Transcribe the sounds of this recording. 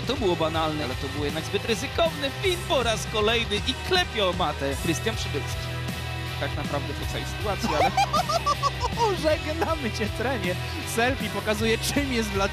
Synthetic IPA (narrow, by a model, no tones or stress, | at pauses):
t̪ɔbɘwɔbanalnɛalɛt̪ɔbɘwjɛd̪naɡzbɘt̪ɾɘzɘkɔvnɘfʲinpɔɾaskɔlɛjnɘʔiklɛpʲjɔmat̪ɛkɾɘst̪janpʂɘvʊtskʲi̥ | t̪aknapɾavd̪ɛpɔt̪sawɛ̰jsɘ̥t̪uat̪sjialɛ | uʐɛɡnamɘt͡ɕɛt̪ɾɛɲɛ | sɛlfʲipɔkazujɛt͡ʂɨmjɛst̪vla